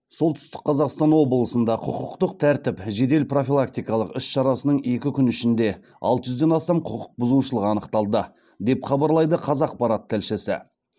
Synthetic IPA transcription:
so̞lˠt̪ʰʏ̥st̪ɪ̥k̚qːʰɑzɑqst̪ɑnwo̞blˠəsənd̪ɑqʰʊqʊqt̪əq̚t̪ʰæɾt̪ɪpʒe̞d̪e̞lpro̞filˠak̚t̪ijkɑlˠəqɪsʃɑɾɑsənəɴe̞kʲɪkʲʰʏnɪʃɪnd̪e̞ | ɑ̰lˠt̪əʒʏzd̪e̞nɑst̪ɑmqʰʊqʰʊq̚bʊzuʃəlˠəqɑnəqt̪ɑlˠd̪ə | d̪e̞pχɑbɑɾlˠɑjd̪əqʰɑzɑq̚pɑɾɑt̪ʰːɪlʃɪsɪ̰

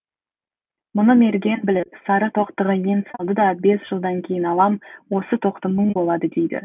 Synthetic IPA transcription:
mʊnəme̞ɾɡʲe̞nbɪlɪpsɑɾət̪ʰo̞qt̪əʁəje̞nsɑlˠd̪əd̪ɑbe̞sʒ̥əlˠd̪ɑŋkʲʰe̞jɪnɑlˠɑmwo̞sət̪ʰo̞qt̪əməɴbo̞lˠɑd̪əd̪e̞jd̪ɪ̰

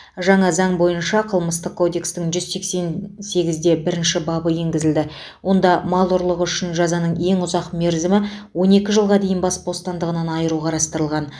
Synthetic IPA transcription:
ʒɑɴɑzɑɴbo̞jənʃɑqʰəlˠməst̪əq̚kʰːo̞d̪e̞kst̪ɪŋʒʏzse̞kse̞nse̞ɡʲɪzd̪e̞bɪɾɪnʃɪbɑbəje̞ŋɡʲɪzɪld̪ɪ | wʔo̞nd̪ɑmɑlˠʊɾlˠəʁʏʃɪnʒɑzɑnəɴe̞ŋʊzɑqme̞ɾzɪmɪwo̞ne̞kʲɪʒəlˠʁɑd̪ejɪnbɑsbo̞st̪ɑnd̪əʁənɑnɑjəɾuqʰɑɾɑst̪əɾəlˠʁɑn

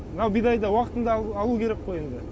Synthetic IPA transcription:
mənɑwbijd̪ɑjd̪ɑwɑqə̥t̪ənd̪ɑːlˠukʲʰe̞ɾe̞k̚qojend̪ɪ

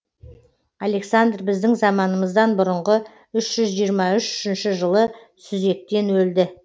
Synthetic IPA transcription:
ɑle̞ksand̪rbɪzd̪ɪŋzɑmɑnəməzd̪ɑnbʊɾəɴʁə | ʏʃʒ̥ʏzʒijəɾmɑʏʃʏ̥ʃɪnʃɪʒəlˠə | sʏze̞k̚t̪e̞nwɵld̪ɪ

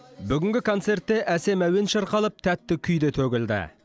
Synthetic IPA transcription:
bʏɡʲɪŋʲɡʲɪkʰo̞nt̪se̞ɾt̪ːe̞ʔæse̞mæwe̞nʃɑɾqɑlˠəp̚t̪ʰæt̪ːɪkʲʰʏjd̪e̞t̪ʰɵɡʲɪld̪ɪ̰

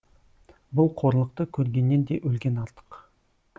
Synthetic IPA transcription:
bʊlˠqʰo̞ɾlˠəq̚t̪əkʲʰɵɾɡʲe̞nːe̞nd̪e̞ʔɵlɡʲe̞nɑɾt̪ə̥q

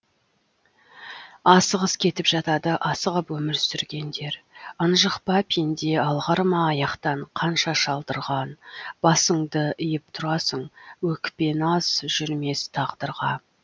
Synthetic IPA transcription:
ɑsəʁəskʲʰe̞t̪ɪpʒ̥ɑt̪ɑd̪əʔɑsəʁəpwɵmɪɾsʏɾɡʲe̞nd̪e̞ɾənʒəqpɑpʰind̪e̞ɑlˠʁɑɾmɑːjɑqt̪ɑɴqʰɑnʃɑʃɑlˠd̪əɾʁɑnb̥ɑsəɴd̪əɪjəp̚t̪ʰʊɾɑsəɴwɵkpe̞nɑz̥ʒ̥ʏɾme̞st̪ʰɑʁd̪əɾʁɑ

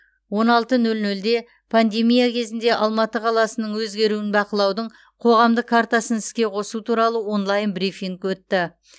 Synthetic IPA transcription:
wo̞nɑlˠt̪ənɵlnɵld̪e̞ | pʰand̪e̞mijakʲʰe̞zɪnd̪e̞ʔɑlˠmɑt̪əqʰɑlˠɑsənəɴwɵzɡʲe̞ɾuɪnbɑqəlˠɑwd̪əɴ | qʰo̞ʁɑmd̪əqkʰːaɾt̪asənɪskʲe̞qʰo̞sut̪ʰuɾɑlˠəwo̞nlˠɑjənbɾifiŋkwɵt̪ːɪ

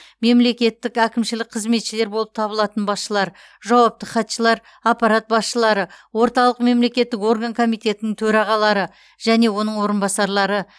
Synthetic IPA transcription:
me̞mle̞kʲe̞t̪ːɪkækʲɪmʃɪlɪk̚qʰəzme̞t̪ʃɪle̞ɾbo̞lˠəp̚t̪ʰɑbəlˠɑt̪ənbɑsʃəlˠɑɾ | ʒɑwɑp̚t̪əχɑt̪ʃəlˠɑɾ | apɑɾat̪̚bɑsʃəlˠɑɾəwo̞ɾt̪ɑlˠəqme̞mle̞kʲe̞t̪ːɪko̞rɡaŋkʰo̞mijt̪e̞t̪ɪnɪŋt̪ʰɵɾɑʁɑlˠɑɾə | ʒ̥æne̞wo̞nəɴwo̞ɾənbɑsɑɾlˠɑɾə

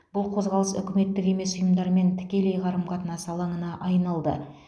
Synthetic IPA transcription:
b̥ʊlˠqʰo̞zʁɑlˠəsʏ̰kʲɪme̞t̪ːɪke̞me̞sʊjəmd̪ɑɾəme̞nt̪ʰɪ̥kʲe̞lejʁɑɾəmqʰɑt̪ənɑsəɑlˠɑɴənɑʔɑjnɑlˠd̪ə̰

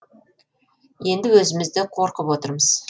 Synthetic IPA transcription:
je̞nd̪ɪwɵzɪmɪzd̪ɪqʰo̞ɾqəpwo̞t̪əɾməz̥

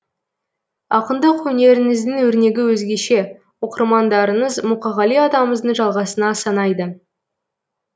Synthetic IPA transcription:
ɑqənd̪əqwɵne̞ɾɪŋɪzd̪ɪŋwɵɾne̞ɡʲɪwɵzɡʲe̞ʃe̞ | wo̞qəɾmɑnd̪ɑɾəɴəzmuqɑʁɑlijɑd̪ɑməməzd̪əɴʒɑlˠʁɑsənɑsɑnɑjd̪ə

